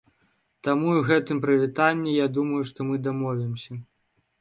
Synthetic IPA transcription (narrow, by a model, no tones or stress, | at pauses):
t̪amuiɣɛt̪ɨmpɾɨvʲit̪anʲːijad̪umɐjuʂt̪ɔmɨd̪amɔvʲimsʲɐ